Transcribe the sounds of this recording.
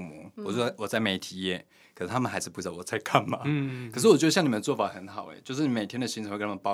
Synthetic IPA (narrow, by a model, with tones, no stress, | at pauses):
mṵ˧˥˦wɔ˨˩t͡ɕɔ˥˩˥wɔ˨˩t͡sa˥˩ɪme˧˥ɪ˩t̪ʰi˨˥jɛ˥˩ | kʰə˨˩ʂɻ̩˥˩t̪ʰa˥mə˨nxa˧˥ɪzɹ̩˧˩pu˧˩ɻ̩˥ɑ˥˩wɔ˨˩t͡sa˥˧ɪkʰa˥˩nma̰˩˦kʰʂɻ̩˥˩wɔ˨˩t͡ɕʊɕɑ˥ŋni˨˩ə˧n˧˩t͡swɔ˥˩fa˨˩xə˧˥nxɑ˨˩ʊɛ̰˧˦t͡ɕjo˥˧ʊʂ̬ɻ̩˥˩i˧˥me˨˩ɪt̪ʰjɛ˥nd̪ə˩ɕi˥nʰʈ͡ʂʰnʰa˥mə˩pɑ˥